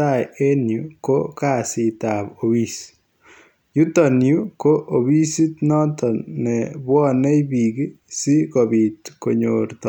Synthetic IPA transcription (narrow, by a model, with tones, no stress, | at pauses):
aje˦njuko˦ka˨si˨tapo˨wis | ju˦tɔ˨nju˦ko˦ʔo˨wi˦si˦tnɔ˦tɔnɛbwɔ˦ne˦jpi˨ki˦si˦kɔ˨bi˨tko˨ɲoɾt̪